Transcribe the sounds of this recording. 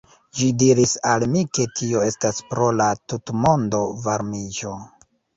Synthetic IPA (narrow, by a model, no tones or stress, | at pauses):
d͡ʒidiɾisalmike̞tʰio̞e̞staspɾo̞latutmo̞ndo̞vaɾmid͡ʒo̞